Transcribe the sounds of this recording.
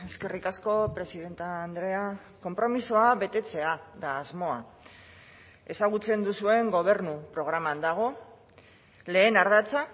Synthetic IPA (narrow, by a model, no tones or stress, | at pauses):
e̞ske̞rikasko̞pɾe̞siðe̞nt̪aːnd̪ɾe̞a | ko̞mpɾo̞misoaβe̞t̪e̞t͡se̞aðaːzmo̞a | e̞saɣ̞ut͡se̞nd̪usue̞ŋɡo̞β̞e̞ɾnupɾo̞ɣɾamand̪aɣ̞o̞ | le̞ːnaɾðat͡sa